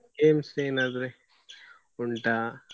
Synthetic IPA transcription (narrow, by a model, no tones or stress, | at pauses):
ɡeːmseːnaːd̪ɾe | uɳʈaː